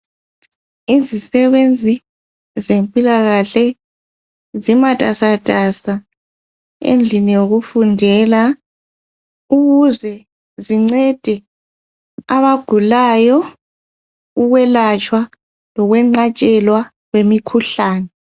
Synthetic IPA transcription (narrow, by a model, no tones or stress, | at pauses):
izisɛβend͡zʱi | zempʼilaɣaɬɛ | zimatʼasatʼasa | ḛnd͡ɮʱinijoɣufundʱɛla | uɣuzɛ | ziŋ͡ǀɛd̥ʱɛ | aβaɡ̥ʱulajɔ | uɣwɛlat͡ʃʼwa | lɔɣwɛŋ͡ǃat͡ʃʼɛlwa | ɣwemikʰuɬaːnɛ